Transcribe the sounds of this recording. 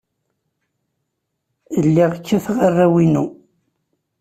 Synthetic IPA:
əlːiʁəkːæθʁərˤːæwinu

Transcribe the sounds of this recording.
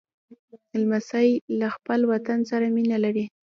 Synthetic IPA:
almasajlaxpəlwat̪ansaɾaminalaɾi

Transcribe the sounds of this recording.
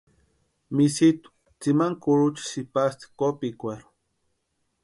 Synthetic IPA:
misit̪u̥ | t͡simaŋkuɾut͡ʃi̥sipast̪i̥kopikʷeɾu̥

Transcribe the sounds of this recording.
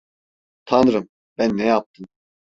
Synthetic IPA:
t̪ʰanɯɾɯm | b̥ænːɛjap̚t̪ʰɯm

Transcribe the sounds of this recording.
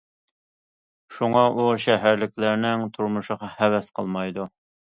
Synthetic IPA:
ʃuŋɑʔuʃɛɦæɾlɪk̚ʲlæɾnɪŋt̪ʰuɾmuʃəqɑhɛwɛsqʰəlˠmɑjd̪u

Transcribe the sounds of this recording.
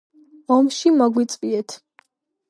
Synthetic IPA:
ɔmʃimɔɡwit̪sʼviɛt̪ʰ

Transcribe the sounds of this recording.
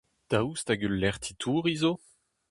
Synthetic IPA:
d̪̥awst̪aɡylːɛʁt̪ʰit̪ʰuːʁizo

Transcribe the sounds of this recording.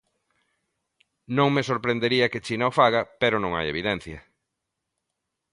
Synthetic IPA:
nõŋmesoɾpɾend̪eɾiɐket͡ʃinaofaɣɐpeɾonõŋa̰jḛβiðɛn̟θjɐ

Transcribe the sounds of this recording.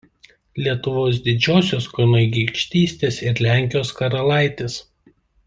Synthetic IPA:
lʲiɛt̪ʊʋoːs̬d̪ʲɪd͡ʒʲoːsʲoːskɔɪnoɡʲiːkʃʲt̪ʲiːsʲt̪ʲeːsɪɾlʲæˑŋʲkʲɪjoːskɐɾɐlˠɐˑɪt̪ʲeːs

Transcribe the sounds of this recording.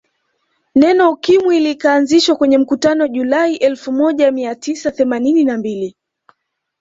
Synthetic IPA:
nɛnɔukimwiːlikaːnziʃwakwɛɲɛm̩kutanɔʄulaiʔɛlfumɔʄamiatisaθɛmanininambili

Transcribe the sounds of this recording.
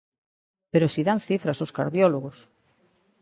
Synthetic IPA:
peɾosiðanθifɾasoska̰ɾðjɔloɣos

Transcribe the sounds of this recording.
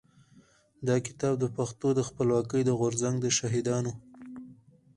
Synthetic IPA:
d̪ɑkɪ̥t̪ɑb̚d̪əpaxt̪od̪əxpəlwɑkəjd̪əɣʊɾzaŋɡd̪əʃaɦɪd̪ɑno

